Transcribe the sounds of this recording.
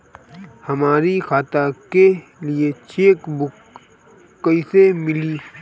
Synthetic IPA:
hɐmaːɾikʰaːt̪akeliet͡ʃʰeːkbʊkː | əisemɪliː

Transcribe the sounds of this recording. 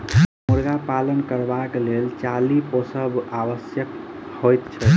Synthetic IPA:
muɾɡapalənkəɾbaklelt͡ʃaliposəbaʋəsjək | hojt̪t͡ʃʰɛ

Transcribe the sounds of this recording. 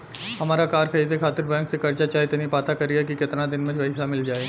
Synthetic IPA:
ɦɐmaːɾakaːɾkʰɐiːd̪ekʰaːt̪ɪɾbɛ̃ːŋksekɐɾt͡ʃat͡ʃaːit̪enipaːt̪akɐɾiɦɛkikɪt̪nad̪ɪnmɐ̃d͡ʒʋɐɦɪsamɪld͡ʒaːeː

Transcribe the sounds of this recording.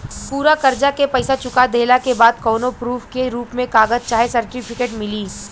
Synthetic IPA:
puːɾakɐɾd͡ʒakepɛɪsat͡ʃʊkad̪ʱeːlakebaːd̪̚kɔːnopɾuːfkeɾuːpmẽkaːɡəzt͡ʃaːɦesɐɾʈɪpʰɪkeːʈmɪliː

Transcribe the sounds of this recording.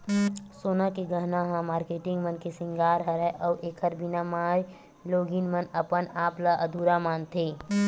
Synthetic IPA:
soːnakeɡəɦnaɦãmaːɾkeːʈɪ̃ŋɡmənkesɪ̃ŋɡaːɾɦəɾɛʔɔːʔeːkʰəɾbʱɪnamaːɾ | loːɡinmənəpənaːplaʔɐd̪uːɾamaːnt̪ʰeː

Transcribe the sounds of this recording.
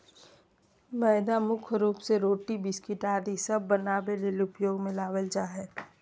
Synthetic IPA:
məːd̪amʊkʰɾuːpseɾoːʈibɪskɪʈaːɾisɐbːənaːbelɪlʊpjoːɡmɪ̃laːʋəld͡ʒaːɦɛ

